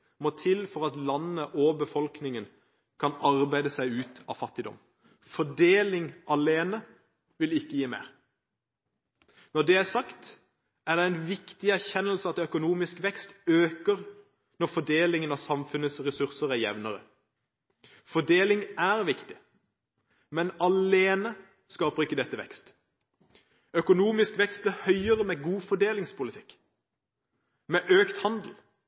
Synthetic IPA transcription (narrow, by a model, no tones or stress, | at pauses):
mɔt̪ʰɪlfɔʁɑt̪lɑnːəʔɔbəfɔlknɪŋən | kʰɑnɑʁbæɪd̪əsæɪʉːt̪ɑ̰ʋfɑt̪ːɪd̪ɔ̰m | fɔɖeːlɪŋʔɑleːnə | ʋɪlɪkːəjiːmḛːʁ | nɔd̪ɛæsɑkt̪ | æʁd̪ɛæɪnʋɪkt̪ɪæɾçɛnːəlsəɑt̪œkʊnuːmɪskʋɛkst̪øːkəʁ | nɔʁfɔɖ̪eːlɪŋənɑsɑmfʉnəsʁɛsʉʁsəʁæɾjɛ̰ʋnəʁə̰ | fɔɖ̪eːlɪŋæʁʋɪkt̪ɪ | mɛnɑleːnə | skɑːpəʁɪkəd̪ɛt̪ːəʋɛ̰kst̪ | œkʊnuːmɪskʋɛkst̪̚blɪhœʏəʁəmɛɡuːfɔɖ̪eːlɪŋspʰʊlɪt̪ʰɪkː | mɛʔøːkt̪hɑnd̪l̩